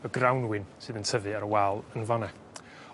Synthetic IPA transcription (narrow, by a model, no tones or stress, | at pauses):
əɡrawnwɪnsɨːðəntʰəvɨaɾəwalˠənvɔnɛ